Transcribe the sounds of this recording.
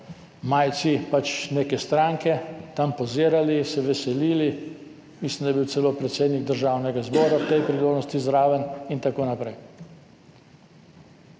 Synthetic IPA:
maːjt̪sipat͡ʃneːkɛst̪ɾaŋkɛt̪ampɔziːɾalisɛʋɛsɛliːli | mislimd̪ajbiw̪sɛloːpɾɛt̪seːd̪niɡ̚d̪əɾʒaːwnɛɡazbɔːɾawt̪ɛjpɾiloːdnɔst̪izɾaːʋənint̪akoːnapɾɛj

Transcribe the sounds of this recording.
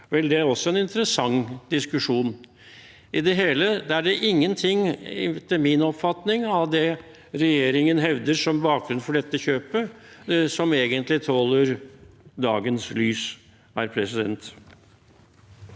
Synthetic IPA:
ʋɛld̪ɛæɾɔsːɔɛnɪnt̪əɾəsɑŋd̪ɪskʉʂuːn | ɪd̪ɛɦeːləd̪æɖɛʔɪŋːənt̪ʰɪŋt̪ɪmɪnɔpfɑt̪nɪŋɑʋd̪ɛ | ɾɛjeːɾɪŋənɦɛʋd̪əʂɔmbɑːk̚ɡɾʉnfɔɖɛt̪ːəçøːpəsɔmeːɡənt̪lɪt̪ʰoːləɾd̪ɑːɡənslyːs | æɾpʰɾɛsɪd̪ɛ̰nt̪

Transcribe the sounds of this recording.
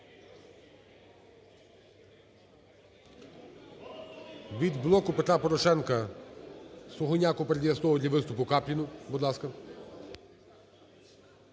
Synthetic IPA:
ʋʲid̪blˠɔkʊpet̪ɾɑpɔɾɔʃɛnkɐ | sɔɦɔnʲɑkʊpeɾed̪ʲjɐst̪ɔʋɐd̪ʲɐʋɪst̪ʊpʊkɑpʲlʲinʊbud̪lˠɑskɐ

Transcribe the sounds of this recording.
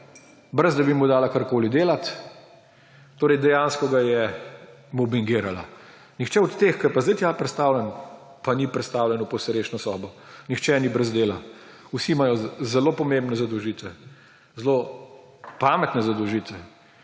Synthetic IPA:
bɾəzd̪abimud̪aːlakaɾkoːlid̪eːlat̪ | t̪oːɾɛɪjd̪ɛjaːnskɔɡajɛ | mɔbiŋɡiːɾala̰ | nixt͡ʃɛɔt̪t̪eːxkɐjpazd̪əjt̪japɾɛt̪st̪aːwlʲɛn | panipɾɛt̪st̪aːwlʲɛnupɔsɾeːʃnɔsɔːbɔnixt͡ʃɛnibɾəzd̪eːla | usimajɔzɛloːpɔmembnɛzad̪ɔwʒit̪ʋɛ | zlo | paːmɛt̪nɛzad̪ɔwʒiːt̪ʋɛ

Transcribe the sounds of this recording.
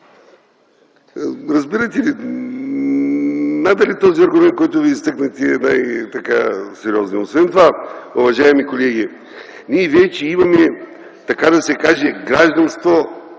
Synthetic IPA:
ɾɐzbiɾɐt̪ɛli | nad̪ɐlit̪ɔziɐɾɡʊmɛnt̪̚kɔjt̪ʊviːst̪ɤknɐt̪ɛɛnajt̪ɐka̰sɛɾiɔznɛosvɛnt̪ovaovɐʒaɛmikolɛɡ̟i | nʲiɛvɛt͡ʃɛimɐmɛ | t̪ɐkad̪ɐsɛkaʒɛɡɾaʒd̪ɐnst̪vo

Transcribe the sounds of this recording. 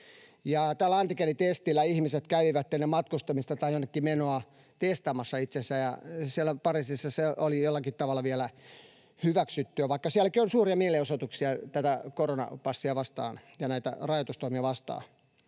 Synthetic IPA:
jɑt̪æːlːæɑnt̪ikenit̪est̪ilːˑæihmiset̪kæyʋiʋæt̪ːenːemɑt̪kust̪ɑmist̪ɑt̪ɑijonːekːimenoɑ | t̪est̪ɑmɑsːɑit̪sensæjɑ̰siælːˑæpɑrisisːɑseʔolijolːɑkit̪t̪ɑʋɑlːɑʋielæ | hyʋæksyt̪ːyæʋɑikːɑsiælːˑækionsuːriɑmieleosot̪uksiɑt̪æt̪ækoronɑ̰pɑsːiɑʋɑst̪ɑ̰ːnjɑnæit̪æ̰rɑjot̪ust̪oimiɑʋɑst̪ɑ̰ː

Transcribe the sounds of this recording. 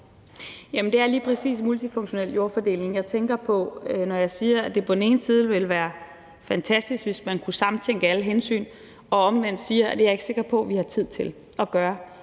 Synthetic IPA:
jæmənd̥e̝æɐliːpʰʁɛsḭːsmult͡sʰifɔ̽ŋɕo̝nel̰jo̝ɐfɒd̥e̝̰ːle̝ŋjɑ̈ɪt͡sʰeŋɡ̥ɐpʰɒ̽nɒjɑ̈ɪsiːɐæd̥e̝pʰɒ̽d̥n̩e̝ːn̩siːð̞ˠʋe̝lʋæːɐ | fænt͡sʰæsd̥isɡ̥ʋe̝smænkʰusɑ̈mn̩t͡sʰeŋ̰ɡ̥əæləɦensy̰ːn | ɒ̽ɒ̽mʋen̰d̥siːɐæd̥e̝jɑ̈e̝ɡ̥se̝ɡ̥ɐpʰɒ̽ʋihɑ̈t͡sʰið̞̰ˠt͡sʰe̝l | ɒ̽ɡ̥ɶːɐ

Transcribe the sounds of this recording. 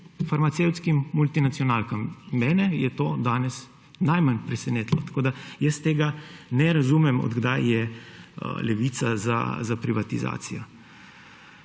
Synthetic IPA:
faɾmat̪sewt̪skimːult̪inat̪sjɔnaːlkamːɛːnɛjɛt̪oːd̪aːnɛs | najmanpɾɛsɛneːt̪lɔt̪ḁkoːd̪ajəst̪eːɡanɛɾazumɛmɔ̰d̪ɡd̪ajjɛ̰ | lɛʋiːt̪saza̰zapɾiʋat̪iza̰ːt̪sijɔ

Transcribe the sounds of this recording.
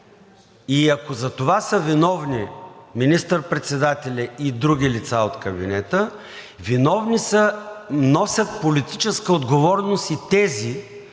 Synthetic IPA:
iɐkozɐt̪ovasəvinɔvniminist̪əɾpɾɛt̪sɛd̪at̪ɛlʲɛid̪ɾuɡ̟ʲilit̪saot̪kəbḭnɛt̪ə | vinɔvnisənɔsʲət̪̚polit̪it͡ʃɛskəod̪ɡovɔɾnost̪it̪ɛzi

